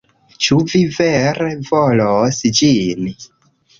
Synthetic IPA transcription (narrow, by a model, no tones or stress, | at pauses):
t͡ʃuviveɾevolosd͡ʒin